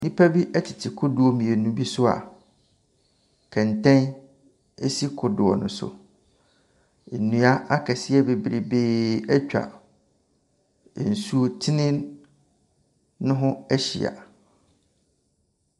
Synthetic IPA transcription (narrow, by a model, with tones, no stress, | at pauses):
nĩ˦pʰa˦bi˦ʔɛ˦tʰɪ˨tʰɪ˨kʰʊ˦dʊ˨ɔ˨mĩ˨e˨nũ˦bi˦sʊ˦a̰˨ | kʰɛ̃˨n˨tʰɛ̃˦n | e˦si˦kʰʊ˨dʊ˨ɔ̰˨nʊ̃˨sʊ̰˨ | e˨nːũ˨a˦a˦kʰɛ˨sɪ˦ɛ˦be˨bi˨ɾi˨be˦ɛ˦t͡ɕᶣa̰˨ | n̩˨su˦o˦t͡ɕʰɪ˦nɪ̃˦n | ʊ̃˦ɦʊ̃˦æ˦ɕḭ˨a̰˨